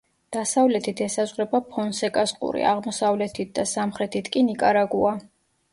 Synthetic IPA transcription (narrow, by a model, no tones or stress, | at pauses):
d̪̥asavlɛt̪ʰit̪ʰɛsazʁɾɛbapʰɔnsɛkʼasqʼṵɾḭa̰ʁmɔsavlɛt̪ʰit̪̚ʰd̪asamχɾɛt̪ʰit̪ʰkʼinikʼaɾaɡua